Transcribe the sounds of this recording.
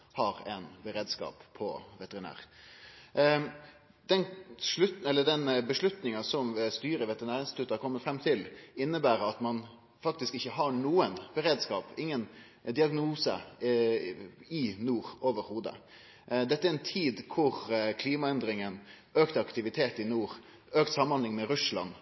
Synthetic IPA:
hɑɾɛnbəɾeːd̪skɑ̰ːppʰɔ̰ʋɛt̪ɛɾɪnæ̰ːɾ | d̪̥ɛnʂɭʉt̪ɛlːəɖɛnbəʂɭʉt̪nɪŋɑsɔmst̪yːɾəʋɛt̪əɾɪnæːɾɪnst̪ɪt̪ʰʉt̪ːhɑɾkʰɔmːət̪fɾɛmːt̪ʰɪlɪnːəbæːɾɑt̪mɑn | fɑk̚t̪ɪskɪçːəɦɑɳuːənb̥əɾeːd̪skɑ̰ːpɪŋːən | d̪ɪɑɡnuːsə̰ | ɪnuːɾoːʋəɾhuːd̪ə̰ | d̪ɛt̪ːəæɾɛnt̪ʰiːd̪kʰʊɾkʰliːmɑɛnd̪ɾɪŋən | øːkt̪əɑkt̪ɪʋɪt̪ʰeːt̪ɪnuːɾ | øːk̚t̪sɑmːɑnlɪŋmɛɾʉslɑ̰n

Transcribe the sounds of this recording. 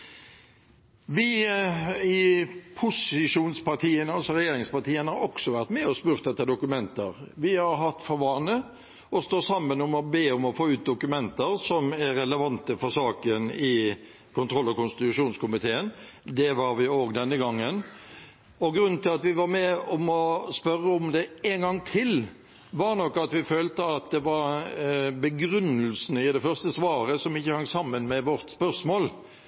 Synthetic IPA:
ʋɪ | ɪpʰʊsɪʂuːnspʰɑʁt̪ʰiːənəɑlsɔɾɛjeːɾɪŋspɑt̪ʰiːənəhɑɾɔksɔʋæʁt̪mɛɔspʉːɾt̪d̪ɛt̪ːəd̪ʊkʉmɛnt̪əɾʋɪhɑɾɦɑt̪ːfɔɾʋɑːnə | ɔst̪oːsɑmːənɔmɔbeːɔmɔfoːʉːt̪̚d̪ʊkʉmɛnt̪əɾsɔmæːɛləʋɑnt̪əfɔɾsɑːkənɪ | kʊnt̪ʰɾɔlːɔkʊnst̪ɪt̪ʉʂuːnskʊmɪt̪ʰeːənd̪ɛʋɑɾʋɪoːɡd̪ɛnːəɡɑŋːən | ɔɡɾʉnːn̩t̪ʰɪlɑt̪ʋɪʋɑɾmɛɔmɔspœɾːəʊmd̪ɛenɡɑŋːt̪ʰɪl | ʋɑɾnɔkːɑt̪ʋɪføːlt̪əɑt̪̚d̪ɛʋɑɾ | bəɡɾʉnːəlsnəɪd̪ɛfœʁst̪əsʋɑːɾəsɔmɪçːəhɑŋsɑmːənmɛʋɔɾt̪spœɾsmoːl

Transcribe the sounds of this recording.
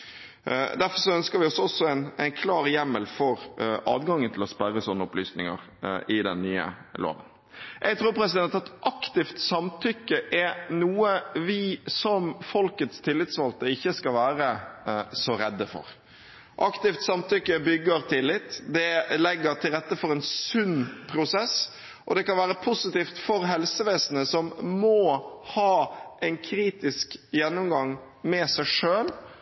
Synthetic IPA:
d̪æɾfɔɾʂɔœnskəɾʋɪɔsɔsɔæɪnæɪnkʰlɑːɾjɛmːəlfɔɾʔɑ̰ːd̪ɡɑŋːənt̪ʰɪlɔspæɾəsɔnːəʊplyːsnɪŋə̰ɾ | ɪd̪ɛ̰nːyːə̰lo̰ːʋə̰n | jʔɛɡt̪ʰɾuːɾpʰɾɛsɪd̪ɛnt̪ɑt̪ʔɑkt̪ɪft̪sɑmt̪ʰʏkːəʔɛnuːəʋɪsɔmfɔlkət̪st̪ʰɪlːɪt̪sʋɑlt̪əɪçːəskɑʋæːɾəsɔɾɛ̰d̪ːəfɔ̰ɾ | ʔɑkt̪ɪft̪sɑmt̪ʏkːəbʏɡːəɾt̪ʰɪlːɪt̪ːd̪ɛlɛɡːəɾt̪ʰɪlɾɛt̪ːəfɔɾɛɪnsʉnːpʰɾʊsɛs | ʔɔd̪ɛkɑnʋæːɾəpʰʊsɪt̪iːft̪fɔɾɦɛlsəʋeːsənəsɔmːɔhɑːʔɛɪnkʰɾiːt̪ɪskjɛnːɔmɡɑŋ | mɛsæɪʂøːl

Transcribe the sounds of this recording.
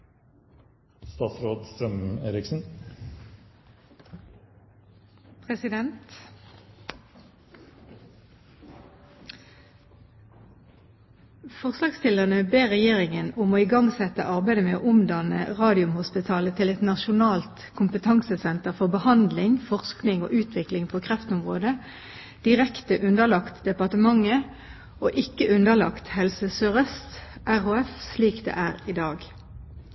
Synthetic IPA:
st̪ɑsɾoːd̪st̪ɾœmeːɾɪksn̩ | pʰʁɛsɪd̪ɛnt̪ | fɔʁslɑːɡstɪləʁnəbeːʁɛjeːʁɪŋənʊmoːɪɡɑŋsɛt̪ə̰ʔɑʁbæɪd̪əmeːoːʔʊmd̪ɑnə̰ʁɑːd̪ɪʊmhʊspɪt̪ʰɑːlət̪ʰɪlɛt̪nɑʃʊnɑːlt̪kʰʊmpət̪ʰɑŋsəsɛnt̪əʁfɔʁbəhɑnd̪lɪŋfɔʁsknɪŋo̰ːʔʉːt̪ʰʋɪklɪŋpʰoːkʰʁɛft̪ʊmʁoːd̪ə | d̪̥ɪʁɛkt̪əʔʉnd̪əʁlɑkt̪d̪ɛpɑʁt̪əmɑŋːə | oːʔɪkːəʔʉnd̪əlɑ̰kt̪hɛlsəsøːʁəst̪ʔæʁoːɛfsliːkd̪ḛːʔæːʁid̪ɑːɡ

